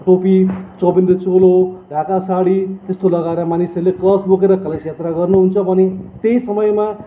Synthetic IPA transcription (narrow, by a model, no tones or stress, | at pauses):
ʈopit͡sʌbind̪ʌt͡soloɖʱakasaɽit̪est̪olʌɡaeɾʌmanisʌrleklʌsbokeɾʌkʌlesjat̪raɡʌrnuɦunt͡sʰʌbʱʌnet̪ejsʌmʌjma